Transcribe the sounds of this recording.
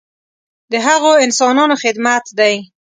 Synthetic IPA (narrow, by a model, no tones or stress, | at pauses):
d̪əɦaɣoɪnsɑnɑnoxɪd̪mat̪d̪aj